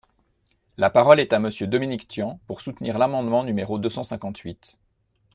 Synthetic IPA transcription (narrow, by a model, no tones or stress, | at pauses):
lapaʁɔlɛt̪aməsjød̪ɔminikt̪jɑ̃puʁsut̪niʁlamɑ̃d̪mɑ̃nymeʁod̪øsɑ̃sɛ̃kɑ̃t̪ʰɥit̪